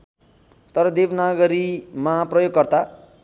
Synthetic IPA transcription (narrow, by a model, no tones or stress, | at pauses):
t̪ʌɾʌd̪ebnaɡʌɾimaprʌjoɡ̚kʌrt̪a